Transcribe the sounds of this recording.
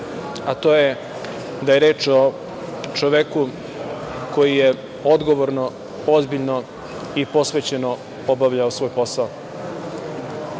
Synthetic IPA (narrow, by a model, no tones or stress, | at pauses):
at̪o̞ːje | d̪ajeɾe̞ːt͡ʃo | t͡ʃoʋeku | ko̞jije | o̞d̪ɡo̞ʋoɾno | o̞zbiʎno | ipo̞sʋe̞ːt͡ɕe̞no | obaʋʎaosʋo̞ːjpo̞sao